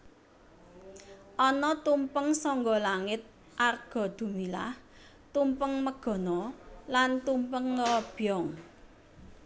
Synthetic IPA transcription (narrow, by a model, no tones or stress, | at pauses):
ʔɔnɔt̪umpəŋsɔŋɡɔlaŋɪt̪̚ | ʔarɡ̥ɔ̤d̪̥ṳmila̰h | t̪umpəŋməɡ̥ɔ̤nɔlant̪umpəŋlɔb̥jɔŋ